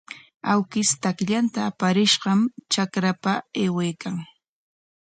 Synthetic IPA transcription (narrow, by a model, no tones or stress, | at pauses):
awkɪst̪akʎant̪aːpaɾɪʃɢɑmt͡ʃakɾapaeːwejkaŋ